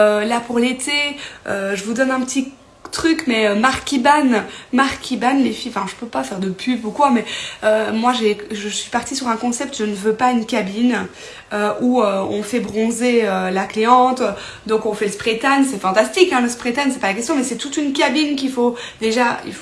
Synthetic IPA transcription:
ølapuʁlet̪ʰeøʒəvud̪ɔnɛ̃pət̪i | t̪χykmɛømaʁkʲibanmaʁkʲʰibanlefiɑ̃fɛ̃ʒəpøpafɛʁd̪əpʰybukwamɛømwaʒeʒəsɥipaʁt̪isyʁɛ̃kɔ̃sɛp̚t̪ʒənəvøpaynkʲabin | øuøɔ̃fɛbʁɔ̃zeølakleɑ̃t̪ | d̪ɔ̃kɔ̃fɛləspχet̪ansɛfɑ̃t̪ast̪ikɛ̃ləspχet̪ansɛpalakʲɛst̪jɔ̃mɛsɛt̪ut̪ynkʲabink̬ʲifo | d̪eʒaḭlf

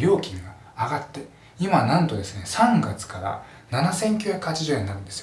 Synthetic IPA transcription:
ɾʲo̞ːkʲĩŋɡaː | ɡat̪ːe̞ | imanãnt̪o̞d̪e̞sɨne̞sãŋɡat͡sɨ̥kaɾa̰ | nanasẽ̞ŋkʲjojakɯ̟hat͡ɕiʑoeɲ̟inaɾɯ̟nd̪esɨ̥o

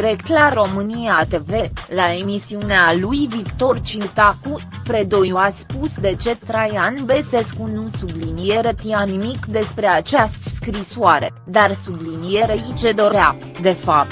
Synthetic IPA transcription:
iɾekt̪laro̞mɨnijat̪e̞ve̞lae̞misiunealujvikt̪o̞rt͡ʃit̪aku | pɾed̪ojuaspusd̪e̞t͡ʃe̞t̪ɾajanbe̞seskunusublinijeɾət̪ijanimikd̪e̞spɾe̞at͡ʃast̪skɾisoaɾe̞̰ | d̪arsublinijeɾeit͡ʃe̞d̪o̞ɾa | d̪e̞fap̚t̪

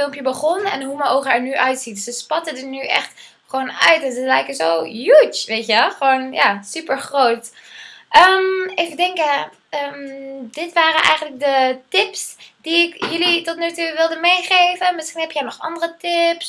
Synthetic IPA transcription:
fɪlˠmpjəbəχɔnɛ̰nɦumənowχɛɹnyʔœɥtsitsəspɑtədənyʔɛ̰χt | χəʋoːnœɥtɛnzəlɛjkəzowjut͡ʃʋejtjəχəʋownja̰ːsypəɹχrowtʔəmejvədɛŋkə | əːmdɪtʋaːrənʔɛ̰jχəntlək̚dətɪpsd̥iɪkjɵlitɔtnatuʋɪlˠdəmejχejvənmɪsχinɦɛpjəaːnɔχɑ̰ndərətɪps

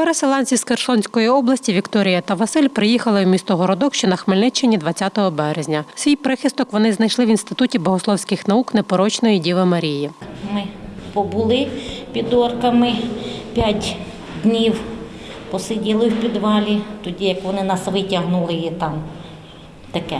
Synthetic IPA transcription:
peɾeselˠɑnʲt͡sʲisxerʃˠɔnʲsʲkɔjiɔblˠɐsʲtʲiʋʲikt̪ɔɾʲɪjɐt̪ɐʋɐsɪlʲpɾɪjixɐlˠɪwmʲist̪ɔɦɔɾɔd̪ɔkʃt͡ʃɔnɐxmɪlʲnɪt͡ʃenʲːid̪ʋɐtt͡sʲːat̪ɔɦɔbɛɾezʲnʲɐsʲʋijpɾɪxʲɪst̪ɔkʋɔnɪznɐjʃlˠɪʋinst̪ɪt̪utʲibɔɦʊslˠɔwsʲkɪxnɐuknepɔɾɔt͡ʃnɔjidʲiʋˠɪmɐɾʲijimɪpɔbʊlˠɪpʲid̪ɔrkɐmɪpʲjatʲ | d̪ʲnʲiw | pɔsɪdʲilˠɪwpʲid̪ʋɑlʲit̪ɔdʲijɐkʋɔnɪnɐsʋɪtʲɐɦnʊlˠɪjit̪ɑm | t̪ɐkɛ

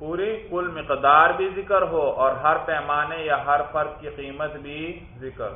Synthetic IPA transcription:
puːɾikʊlmɪqd̪aːɾbʱizɪkəɾɦoɔːɾɦɐɾpɛːmaːnejaɦɐɾfɐɾq̚kːiqiːmət̪bʱi | zɪkɾ

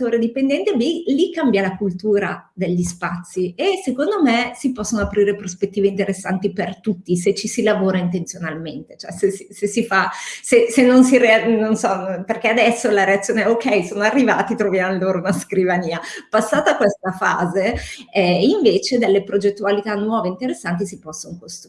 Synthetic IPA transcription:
t̪oːɾed̪ipend̪ɛnt̪ebilikːambjalakult̪uːɾad̪eʎːispat̪sːiesekond̪omesipɔsːonoapɾiːɾepɾospet̪ːiːveint̪eɾesːant̪ipert̪ut̪ːiset͡ʃːisilavoːɾaint̪ent̪sjonalment̪e̥t͡ʃoɛ̰sesisesifasesenːons̬iɾeanːonsɔperkead̪ɛsːolaɾeat̪sːjoːneɛokɛjsoːnoarːiva̰ːt̪it̪ɾovjamloːɾounaskɾivaniːapasːaːt̪akwest̪afaːzeɛiɱveːt͡ʃed̪elːepɾod͡ʒet̪ːualit̪anːwɔːveint̪eɾesːant̪̬isipɔsːonokost̪

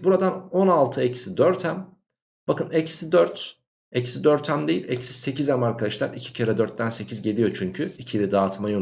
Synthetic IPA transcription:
buɾad̪ano̞nalˠt̪ʰɯɛcsid̪øɾt̪ʰæm | b̥akɯnɛcsid̪øɾt̪ | ɛcsid̪øɾt̪ʰæmd̪ejilʲɛ̰csise̞cʰizæmaɾkʰaaʃlˠaɾicʰi̥cʰaɾɛd̪øɾt̪̚ːænse̞cʰizɟe̞lʲijo̞t͡ʃʰyɲcʰyicʰilʲɛd̪aːt̪majo

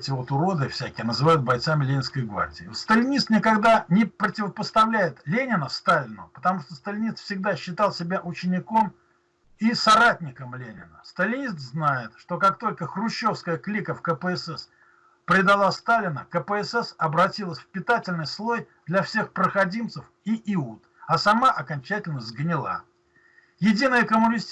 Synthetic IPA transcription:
tʲɪvo̞t̪ʊɾo̞d̪ɨfsʲækʲɪjənəzɨvajʊt̪̚bɐjt̪samʲɪlʲenʲɪnskəjɡva̰rdʲɪːot̪st̪əlʲɪnʲist̪nʲɪkɐɡd̪anʲɪpɾətʲɪvəpəst̪ɐvlʲæjɪt̪lʲenʲɪnəfst̪alʲɪnʊ̰pə̥t̪ɐmuʂt̪ost̪əlʲɪnʲist̪fsʲɪɡd̪aɕːɪt̪ɑlˠsʲɪbʲaʔʊt͡ɕɪnʲɪko̞m | isɐɾatʲnʲɪkəmlʲenʲɪ̰nəst̪əlʲɪnʲis̬t̪znajɪt̪ʂt̪o̞kak̚t̪o̞lʲkəxrʊɕːo̞fskəjəklʲikəfkəpəɛsɛs | pɾʲɪd̪ɐlˠast̪alʲɪnə̰kəpəɛsɛsɐbɾɐtʲilˠəsʲfpʲɪt̪atʲɪlʲnɨjslˠo̞j | d̪lʲɐfsʲe̞xpɾəxɐdʲimt̪səf | iʔɪut̪ | ɐsɐmaʔɐkɐnʲt͡ɕætʲɪlʲnəzɡnʲɪlˠa̰ | jɪdʲinəjəkəmʊnʲɪsʲtʲ

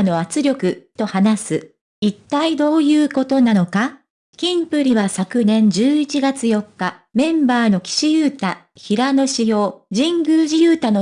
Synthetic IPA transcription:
no̞at͡sɨɾʲo̞kɯ̟t̪o̞hanasɨ | it̪ːaid̪o̞ːjɯ̟ːko̞t̪o̞nano̞ka | kʲĩmpɯ̟ɾʲiβasakɯ̟nẽ̞ɲ̟d͡ʑɨːit͡ɕiɡat͡sɨjo̞kːa | mẽ̞mbaːno̞kʲi̥ɕijɯːt̪a | çiɾano̞ɕijo̞ːd͡ʑĩŋɡɯ̟ːʑijɯːt̪ano

